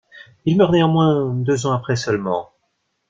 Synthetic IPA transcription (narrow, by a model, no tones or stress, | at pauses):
ilmœʁnɛɔ̃mwɛ̃d̪øzɑ̃apχɛsœlmɑ̰̃